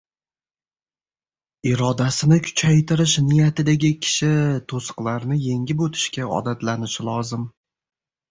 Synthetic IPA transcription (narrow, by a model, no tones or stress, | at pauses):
ɪɾɒd̪asɪnɪkʲʰʊ̥t͡ʃʰajt̪ʰɪɾɪʃnɪjat̪ɪd̪aɡʲɪkʲʰɪ̥ʃɪt̪ʰosɨ̥qlˠaɾnɪje̞ŋɡʲɪpot̪ʰɪ̥ʃkʲaɒ̰d̪at̪lanɪʃɪlˠɒzɪm